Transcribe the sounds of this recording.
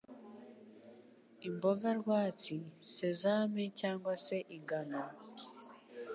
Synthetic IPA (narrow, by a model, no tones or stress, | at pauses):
imbo̞ɡaɾɡwaːt͡sisezaːmecaːŋɡwase̞ʔiŋɡano